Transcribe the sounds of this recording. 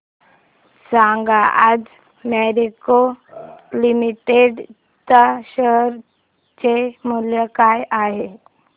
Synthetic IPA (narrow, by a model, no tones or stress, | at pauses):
saŋɡaʔad͡z | meɾiko | limiʈeɖ | t̪aɕəɦɾ | t͡ɕemuljəkajʔaɦe